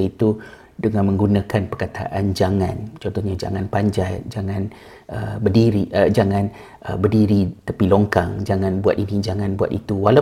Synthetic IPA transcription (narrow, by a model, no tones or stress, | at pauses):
ait̪u | dəŋãnmə̃ŋɡunãkanpərkat̪ʰa̰ʔand͡ʒaŋã̰nt͡ʃɔnt̪ɔhɲad͡ʒa̰ŋãnpaɲd͡ʒatd͡ʒaŋãn | əbədiɾiʔəd͡ʒaŋãn | ʔə̰bərdiɾit̪əpiloŋkaŋd͡ʒaŋãnbua̰t̪inid͡ʒaŋãnbua̰t̪it̪uwala